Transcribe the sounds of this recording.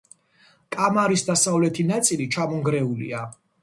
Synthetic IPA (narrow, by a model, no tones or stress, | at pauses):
kʼamaɾisd̪asavlɛt̪ʰinat̪sʼilit͡ʃʰamɔŋɡɾɛulḭa